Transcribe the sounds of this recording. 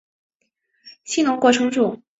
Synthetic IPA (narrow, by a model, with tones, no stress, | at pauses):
ɕi˥nʊ˧˥ŋkwɔ˥˩ʈ͡ʂʰɤ˧˥ŋʈ͡ʂu˥˩